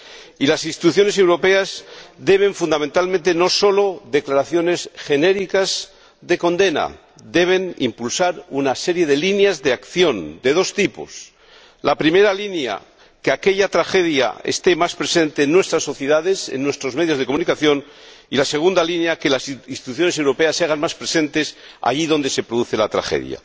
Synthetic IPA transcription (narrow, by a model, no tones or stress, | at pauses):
ilasinst̪it̪uθjo̞ne̞s̬e̞wɾo̞pe̞azd̪e̞β̞e̞ɱfund̪amẽnt̪almẽnt̪e̞no̞so̞lo̞ðe̞klaɾaθjo̞ne̞sxe̞ne̞ɾikaz | ðe̞ko̞nd̪e̞na̰ | d̪e̞β̞e̞nḭmpulsaɾunase̞ɾje̞ðe̞linjazðeakθjo̞nd̪e̞ð̞o̞st̪ipo̞̰s | lapɾime̞ɾalinja̰ | keake̞ʎat̪ɾaxe̞ðja̰ḛst̪e̞maspɾese̞nt̪eːnːwe̞st̪ɾasːo̞θjeðaðe̞sḛnːwe̞st̪ɾozme̞ðjozðe̞komunikaθjo̞n | ilase̞ɣ̞und̪alinjake̞lasinst̪i̥t̪uθjo̞nese̞wɾo̞peasaɣanmaspɾe̞se̞nt̪e̞s | a̰ʝiðo̞nd̪e̞se̞pɾoðuθe̞lat̪ɾa̰xḛðj̰a̰